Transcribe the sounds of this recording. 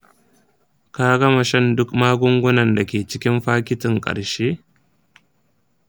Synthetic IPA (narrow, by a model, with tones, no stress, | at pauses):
kaː˦ɡɐ˦ma˨ʃɐ˦˨ndʊ˦kmaː˦ɡʷʊ˦ŋɡʷʊ˦nɐ˨nda˨kʲeː˨t͡ʃɪ˦kʲɪ˦mɸaː˦kʲɪ˦tɪ˨ŋkʼɐ̰˨ɽʃeː˦